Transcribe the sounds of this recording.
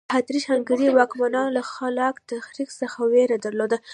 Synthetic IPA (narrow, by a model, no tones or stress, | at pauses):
hat̪ɾiʃaŋɡaɾiwɑkmanɑnolaxalɑkt̪axɾiksəxaweɾad̪aɾlod̪a